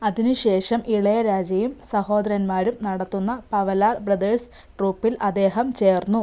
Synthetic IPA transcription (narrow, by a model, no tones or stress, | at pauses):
ɐðinuɕe̞ːʂɐmʔiɭɐjɐɾaːd͡ʑjɐjumsɐho̞ːd̪ɐɾɐnmaːɾumnɐɽɐt̪ːunːɐpɐʋɐlaːrbrɐd̪ɐrs | ʈruːpːilʔɐd̪ːe̞ːɦɐmt͡ɕe̞ːrnːu